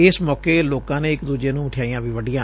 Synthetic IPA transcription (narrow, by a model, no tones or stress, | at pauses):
ɪsmɔːkeːloːkãːneːɪkd̪uːd͡ʒeːnũːʈʰjaːijãːʋiːʋəɖijãː